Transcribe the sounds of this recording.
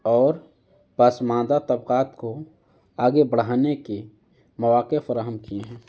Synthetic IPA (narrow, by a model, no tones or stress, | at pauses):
ɔːɾ | basmãːd̪at̪əbqaːt̪ko | aːɡebəɽ̤aːneke | məʋaːqefəɾaːɦəmkiẽɦɛ̃ː